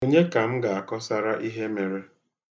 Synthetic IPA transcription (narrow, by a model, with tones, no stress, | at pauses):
o˦ɲe˦ka˨m̩˦ɡa˨a˨kɔ˦sa˦ɾa˦ʔi˦ɦe˦me˨ɾe˦